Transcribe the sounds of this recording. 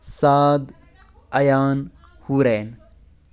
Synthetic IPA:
saːd̪ | ɐjaːn | huːɾeːn

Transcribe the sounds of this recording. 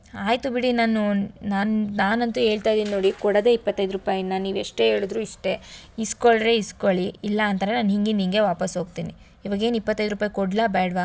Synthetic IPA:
aːjt̪ubiɽinaːnunaːnnaːnɐnt̪ue̞ːɭt̪ajd̪iːnino̞ːɽikɔɽɐd̪eipːɐt̪ːɐjd̪ɾupaːjɐnaniːʋeʂʈe̞e̞ːɭud̪ɾuːiʂʈe̞iskoɭɾe̞iskoɭiːlːɐːnt̪ɐːɾenaːnɦiŋɡiniŋɡe̞ʋaːpɐsɦo̞ːɡ̚t̪iːni | iʋaːɡe̞ːnipːɐt̪ːɐjd̪ɾuːpaːjikoɽlabɛːɽʋa

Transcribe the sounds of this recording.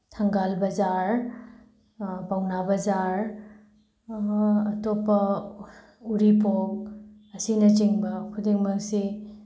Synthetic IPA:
tʰɐŋɡalbɐzaɾ | bawnabɐzaɾ | ɐtopːɐ | uɾipok̚ | ɐsinɐt͡ʃiŋbɐkʰudiŋmɐk̚si

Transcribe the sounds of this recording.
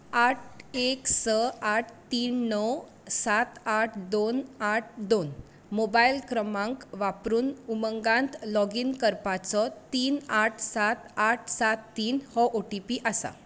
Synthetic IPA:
aʈʰeksəaʈʰt̪iːnːɔw | sat̪aʈʰd̪onaʈʰd̪on | mobajilkɾəmãŋkʋapɾuːnuməŋɡãnt̪lɔɡiːnkəɾpat͡sɔt̪iːnaʈʰsat̪aʈ̚ʰsat̪ːiːnhɔʔoʈipiʔasa̰

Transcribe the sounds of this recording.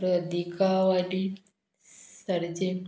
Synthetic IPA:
ɾəd̪ʱikaʋaɽi | səɾd͡ʑe

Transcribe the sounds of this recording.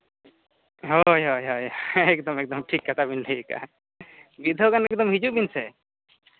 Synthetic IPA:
ɦojɦojɦojɛkd̪ɔmɛk̚d̪ɔmʈʰikːat̪ʰabinlʰika̰ | bid̪ʱɔkanɛk̚d̪ɔmɦid͡ʒubinsɛ

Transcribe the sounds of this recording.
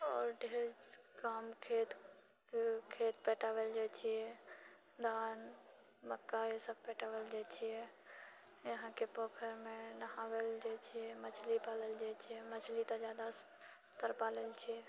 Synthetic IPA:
ɔːɾɖʱeɾkaːmkʰet̪ | kʰet̪pɛʈaʋeld͡ʒat͡ʃʰiɛ | d̪aːn | məkːaesəb̚pɛːʈaʋeld͡ʒat͡ʃʰijɛ | jəɦãkepoːkʰəɾmẽnəɦaweld͡ʒat͡ʃʰijɛmət͡ʃʰlipaːləld͡ʒat͡ʃʰiɛmət͡ʃʰlit̪ad͡ʒjad̪a | t̪əɾpalelt͡ʃʰiɛ

